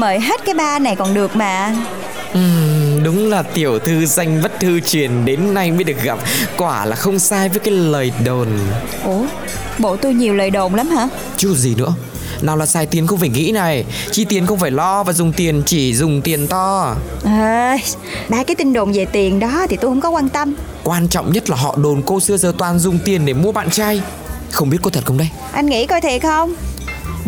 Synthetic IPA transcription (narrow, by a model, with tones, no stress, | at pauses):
məː˧˩jɦe˦˥t̚kaː˨˦jɓaː˧na˨˩jkɔ˨˩nɗɨ˨˩ək̚maː˨˩ | ʔɨ˨˩ɗʊ˨˦ŋ͡mlaː˨˩t̪i˨˧˩əwt̪ʰɨ˧za˧jŋ̟və˦˥t̚t̪ʰɨ˧t͡ɕwi˨˩ənɗe˨˦nːa˧jɓi˧˦˥ɗɨ˨˩ək̚ɣa˨˩p̚kwaː˧˩laː˨˩xə˧wŋ͡msaː˧jvəː˨˦jkaː˨˦jləː˨˩jɗo˨˩n | ʔo˨˧˩ | ɓo˧˩t̪u˧ɲi˨˩əwləː˨˩jɗo˨˩ŋ͡mlaː˨˦mhaː˧˥ | t͡ɕu˦˥zi˨˩nɨ̰˧˥ə | naː˨˩wlaː˨˩saː˧jt̪i˨˦ənxə˧wŋ͡mfaː˧˩jŋḭ˧˥na˨˩j | t͡ɕi˧˩t̪i˨˩ənxə˧wŋ͡mfaː˧˩jlɔ˧vaː˨˩zʊ˨˩ŋ͡mt̪i˨˩ənt͡ɕi˧˩zʊ˨˩ŋ͡mt̪i˨˩ənt̪ɔ˧ʔə˧ | ɓaː˧kaː˨˦jt̪ï˧ŋ̟ɗo˨˩ŋ͡mze˨˩t̪i˨˩ənɗɔ˨˦t̪ʰi˨˩t̪u˧jhə˧˥wŋ͡mkɔ˨˦kwaː˧nt̪ə˧m | kwaː˧nt͡ɕɔ̰˧˨wŋ͡mɲə˦˥t̚laː˨˩ɦɔ̰˧˨ɗo˨˩nko˧sɨ˧əzəː˨˩t̪waː˨˩nzʊ˨˩ŋ͡mt̪i˨˩ənɗe˧˩mu˧əɓa̰ː˧˨nt͡ɕaː˧j | xə˧wŋ͡mɓi˦˥t̚ko˧t̪ʰə˨˩t̚xə˧ŋ͡mɗə˧j | ʔa˧jnŋḭ˧˥kɔ˧jt̪ʰe˨˩˨xə˧wŋ͡m